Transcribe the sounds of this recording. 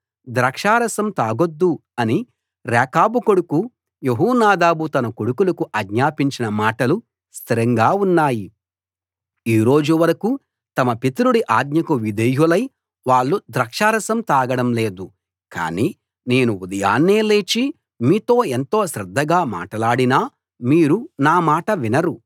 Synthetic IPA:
d̪ɾɐkʂaːɾɐsɐmt̪aːɡod̪ːuɐni | ɾɛːkaːbukoɽuku | jeɦuːnaːd̪aːbut̪ɐnɐkoɽukulɐkuʔɐɡɲaːpiɲt͡ʃinɐmaːʈɐlu | st̪ʰiɾɐŋɡaːunːaːji | iːɾo̞ːd͡ʒuʋɐɾɐku | t̪ɐmɐpit̪uɾuɽiʔaːd̪ɲɐkuʋid̪ɐjulɐj | ʋaːɭːud̪ɾɐkʂaːɾɐsɐmt̪aːɡɐɽɐmle̞ːd̪u | ka̰ːniː | ne̞ːnuud̪ɐja̰ːnːeːle̞ːt͡ʃi | miːt̪o̞ːe̞nt̪o̞ːʃɾɐd̪ʱːɐɡaːma̰ːʈɐlaːɽinaː | miːɾunaːmaːʈɐʋinɐɾu

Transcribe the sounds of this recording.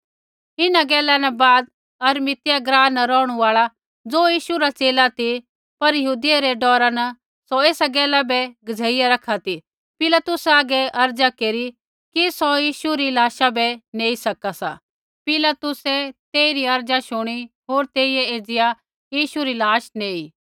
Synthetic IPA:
ɪnaɡɛːlanɛbaːd̪ | ɐɾmɪt̪ɪjaɡɾaːnːɛɾɔːɽ̃uaːɭa | d͡zoːjiːʃuɾat͡seːlat̪i | pɐɾjɐɦuːd̪ɪjaɾɛɖɔːɾanɐ | sɔeːsaɡɛːlabɛɡɐd͡zʱeːɪjaɾɐkʰat̪i | pɪlat̪ʊsaːɡɛʔɐɾd͡zakeːɾi | kisɔjiːʃuɾilaːʃabɛneːisɐkasa̰ | pɪlat̪ʊsɛt̪eːiɾiɐɾd͡ʒaʃʊɽ̃i | ɦoːɾt̪eːiɛeːd͡zɪja | jiːʃuɾilaːʃneːiː

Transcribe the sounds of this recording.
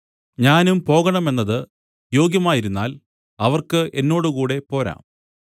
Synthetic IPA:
ɲaːnumpo̞ːɣɐɳɐme̞nːɐðɨ | jo̞ːɡjɐmaːjiɾunːa̰ːl | ɐʋɐrkɨʔenːo̞ːɽukuːɽe̞po̞ːɾa̰ːm

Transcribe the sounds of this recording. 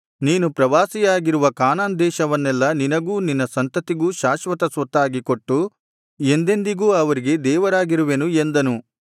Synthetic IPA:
niːnupɾɐʋaːsijaːɡiɾuʋɐkaːnaːnd̪ɛːʃɐʋɐnːɛlːɐninɐɡuːninːɐsɐnt̪ɐt̪iɡuːʃaːʃʋɐt̪ɐsʋɐt̪ːaːɡiko̞ʈːu | e̞nd̪e̞nd̪iɡuːɐʋɐɾiɡe̞d̪ɛːʋɐɾaːɡiɾuʋenue̞nd̪ɐnu

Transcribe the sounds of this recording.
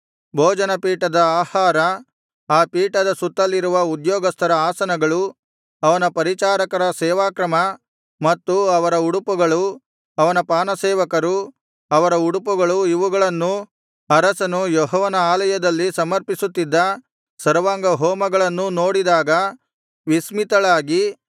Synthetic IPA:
bʱoːd͡ʒɐnɐpiːʈɐd̪ɐaːhaːɾɐ | aːpiːʈɐd̪ɐsut̪ːɐlːiɾuʋɐud̪jɔːɡɐst̪ʰɐɾɐaːsɐnɐɡɐɭu | ɐʋɐnɐpɐɾit͡ʃaːɾɐkɐɾɐsɛːʋaːkɾɐmɐ | mɐt̪ːuɐʋɐɾɐuɽupuɡɐɭu | ɐʋɐnɐpaːnɐsɛːʋɐkɐɾu | ɐʋɐɾɐuɽupuɡɐɭuiʋuɡɐɭɐnːu | ɐɾɐsɐnujɔɦɔʋɐnɐaːlɐjɐd̪ɐlːisɐmɐɾpisut̪ːid̪ːɐ | sɐɾʋaːŋɡɐɦoːmɐɡɐɭɐnːuno̞ːɽid̪aːɡɐ | ʋismit̪ɐɭaːɡi

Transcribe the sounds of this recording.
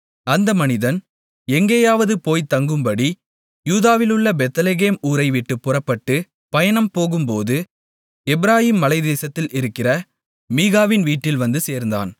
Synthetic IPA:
ɐnd̪ɐmɐnɪðɐn | ɛŋɡejaːʋɐðɯpoːjt̪ɐŋɡɯmpɐɽi | juːðaːʋɪlɯɭːɐbɛt̪ːleɣeːmuːɾɐɪʋɪʈːɯpːʊrɐpːɐʈːɯ | pɐjɐnɐmpoːɣɯmpoːðɯ | ɛbɪɾaːjiːmːɐlɐɪd̪eːsɐt̪ːɪlɪɾɯkːɪrɐ | miːɣaːʋɪnʋiːʈːɪlʋɐnd̪ɯseːɾnd̪a̰ːn

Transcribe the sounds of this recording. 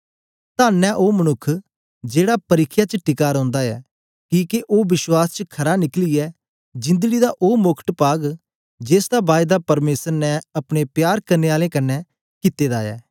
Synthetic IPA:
t̪aːnːɛ̃ʔoːmɐnʊkʰː | d͡ʒeːɽapɐɾɪkʰːjat͡ʃəʈɪkaːɾɔ̃ːnd̪aɛ̰ː | kiːkeʔoːbɪʃwaːst͡ʃəkʰɐɾanɪkliɛ | d͡ʒɪ̃nd̪əɡid̪aʔoːmʊkʰʈpaːɡ | d͡ʒeːsd̪abaːɪd̪apɐɾmeːsəɾnɛɐpɽ̃epjaːɾkɐɾneːaːlẽːkɐnːɛ | kɪt̪ːeːd̪aːɛ̰ː

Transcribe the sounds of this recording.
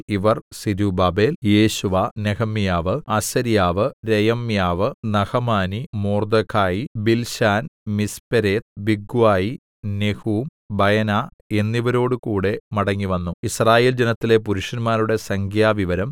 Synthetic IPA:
iʋɐrsiɾubaːbe̞ːlje̞ːɕuʋanehɐmjaːʋɨɐsɐɾijaːʋɨɾejɐmjaːʋɨnɐhɐmaːnimoːrd̪ɐkʰːaːjibilɕaːnmispɐɾeːt̪biɡuwaːji | nehuːm | bɐjɐnaː | e̞nːiʋɐɾo̞ːɽɨkuːɽe̞mɐɽɐŋːiʋɐnːuisraːje̞ːld͡ʑenɐt̪ːile̞puɾuʂɐnmaːɾuɽe̞sɐŋkʰjaːʋiʋɐɾɐm

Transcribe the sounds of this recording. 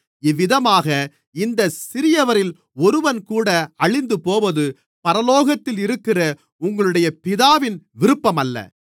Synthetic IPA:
ɪʋːɪðɐmaːɣɐ | ɪnd̪ɐsɪɾɪjɐʋɐɾɪl | ɔɾɯʋɐnkuːɽɐɐɭɪnd̪ɯpoːʋɐðɯ | pɐɾɐloːɣɐt̪ːɪlɪɾɯkːɪrɐ | ʊŋɡɐɭɯɽɐjɐpɪðaːʋɪnʋɪɾɯpːɐmɐlːɐ̰

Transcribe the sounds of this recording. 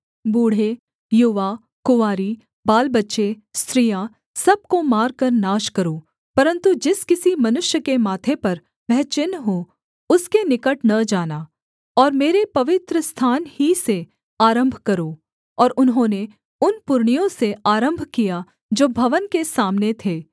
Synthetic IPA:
buːɽ̤e | jʊʋa | kʊʋaːɾi | baːlbɐtːʃe | st̪ɾijã | sɐb̚komaːɾkɐɾnaːʃkɐɾoː | pɐɾə̃nt̪ud͡ʒɪskɪsimɐnʊʃjəkemaːt̪ʰepɐɾ | ʋɛɦt͡ʃɪnɦo | ʊskenɪkəʈnɐd͡ʒaːnaː | ɔːɾmeːɾepɐʋɪt̪ɾəst̪ʰaːnhise | aːɾə̃mbʱkɐɾoː | ɔːɾʊnɦõːne | ʊnpʊɾɳ̃ijõseaːɾə̃mbʱkija | d͡ʒoːbʱɐʋənkesaːmnet̪ʰeː

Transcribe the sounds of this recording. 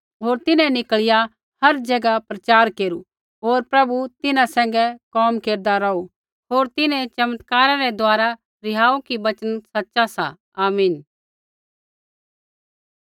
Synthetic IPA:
ɦoːɾt̪ɪnɛ̃nɪkɭɪja | hɐɾd͡ʒɐɡapɾɐt͡ʃaːɾkeːɾu | ɦoːɾpɾɐbut̪ɪnãsɛ̃ːŋ̆ɡɛkɔːmkeːɾd̪aɾɐu | ɦoːɾt̪ɪnɛ̃t͡ʃɐmət̪kaːɾaɾɛd̪aːɾa | ɾɪɦaːukibɐt͡ʃənsɐtːʃasa̰ | aːmiːn

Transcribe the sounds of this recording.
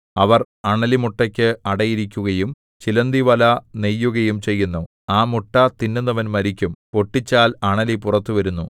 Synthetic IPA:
ɐʋɐr | ɐɳɐlimuʈːɐkʲːɨɐɽɐjiɾikʲːuɣɐjum | t͡ɕilɐnd̪iʋɐlɐnejːuɣɐjumt͡ɕe̞jːunːu | aːmuʈːɐt̪inːunːɐʋɐnmɐɾikʲːumpo̞ʈːit͡ɕːaːlɐɳɐlipurɐt̪ːuʋɐɾunːu

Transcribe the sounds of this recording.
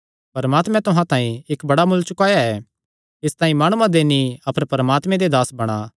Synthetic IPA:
pɐɾɐmaːt̪mɛ̃t̪ʊɦãt̪ãːĩɪkbɐɽamʊlt͡ʃʊkaːjaɛː | ɪst̪ãːĩmaːɽ̃ũãd̪eːniɐpəɾpɐɾəmaːt̪mɛ̃d̪ed̪aːsbɐɽ̃a

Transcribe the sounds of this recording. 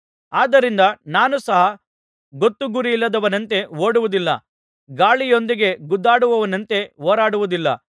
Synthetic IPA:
aːd̪ɐɾind̪ɐnaːnusɐɦɐ | ɡot̪ːuɡuɾiilːɐd̪ɐʋɐnɐnt̪e̞ɦoːɽuʋud̪ilːɐ̰ | ɡaːɭijo̞nd̪iɡe̞ɡud̪ːaːɽuʋɐʋɐnɐnt̪e̞ɦoːɾaːɽuʋud̪ilːɐ̰

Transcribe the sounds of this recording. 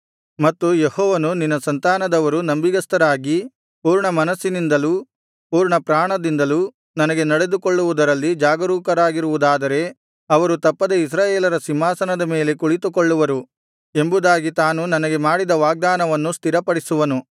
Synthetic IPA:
mɐt̪ːujehɔːʋɐnuninːɐsɐnt̪aːnɐd̪ɐʋɐɾunɐmbiɡɐst̪ɐɾaːɡi | puːɾɳɐmɐnɐsːinind̪ɐlu | puːɾɳɐpɾaːɳɐd̪ind̪ɐlu | nɐnɐɡe̞nɐɽe̞d̪ukoɭːuʋud̪ɐɾɐlːid͡ʒaːɡɐɾuːkɐɾaːɡiɾuʋud̪aːd̪ɐɾe̞ | ɐʋɐɾut̪ɐpːɐd̪eis̬ɾaːjeːlɐɾɐsimːaːsɐnɐd̪ɐme̞ːle̞kuɭit̪ukoɭːuʋɐɾu | embud̪aːɡit̪aːnunɐnɐɡe̞maːɽid̪ɐʋaːɡ̚d̪aːnɐʋɐnːust̪ʰiɾɐpɐɽisuʋɐnu

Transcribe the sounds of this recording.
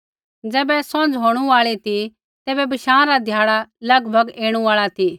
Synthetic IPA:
d͡zɛːbɛsɔ̃nd͡zɦoːɽ̃ũaːɭit̪i | t̪ɛːbɛbɐʃãːɾad̪ʱjaːɭalɐɡbʱɐɡeːɽ̃ũaːɭat̪ʰi

